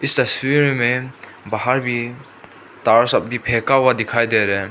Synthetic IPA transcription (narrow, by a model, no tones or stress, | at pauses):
istasiɾime | baɦaɾbi | t̪aɾsap̚bipʰɛkawad̪ikʰajd̪eɾɛ